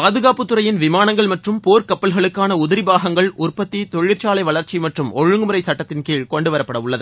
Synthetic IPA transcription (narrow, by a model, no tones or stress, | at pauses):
paːðɯɣaːpːɯt̪ːɯɾɐjɪnʋɪmaːnɐŋɡɐɭmɐʈrɯmpoːɾkɐpːɐlɣɐɭɯkːaːnɐʊðɐɾɪbaːɣɐŋɡɐɭʊrpɐt̪ːit̪ɔɻɪɾt͡ʃaːlɐɪʋɐɭɐɾt͡ʃːimɐʈrɯmɔɻɯŋɡɯmɯɾɐɪsɐʈːɐt̪ːɪnkiːɭkɔɳɖɯʋɐɾɐpːɐɽɐʊɭːɐðɯ